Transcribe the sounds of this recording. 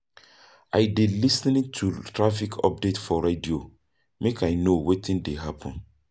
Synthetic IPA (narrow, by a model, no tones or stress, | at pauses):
ajdelisnĩtʰutʰɹafikʰɔ̰p̚detfɔɹedio | mekʰajnowetʰĩndeɦapʰɔ̃n